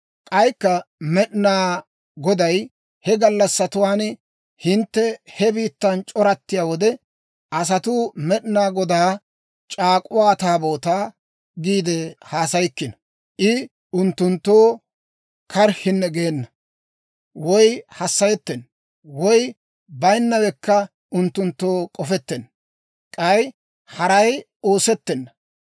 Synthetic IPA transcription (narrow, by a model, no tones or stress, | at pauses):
kʼɐjkːɐmɛɗɪnaː | ɡɔd̪ɐj | hɛɡɐlːɐsːɐt̪ʊwaːn | hɪnt̪ːɛhɛbiːt̪ːɐnt͡ʃʼɔɾɐt̪ːɪjaːwɔd̪ɛ | ʔɐs̬ɐt̪ʊmɛɗɪnaːɡɔd̪aː | t͡ʃʼaːkʼʊwaːt̪aːbo̞ːt̪aː | ɡiːd̪ɛhaːsɐjkːɪnɐ | ʔɪ | ʊnt̪ːʊnt̪ːo̞ː | kʰɐɾhɪnːɛɡeːnːɐ | wɔjhɐsːɐjɛt̪ːɛn | wɔj | bɐjnːɐwɛkːɐ | ʊnt̪ːʊnt̪ːoːkʼɔfɛt̪ːɛn | kʼɐj | hɐɾɐj | o̞ːsɛt̪ːɛnːɐ